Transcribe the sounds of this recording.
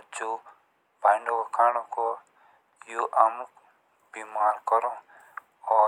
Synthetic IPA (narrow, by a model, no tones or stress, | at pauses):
d͡ʒoː | baːɪɳɖokokʰaːɽ̃okoː | joːʔam | b̥iːmaːɾkɔɾõː | ɔː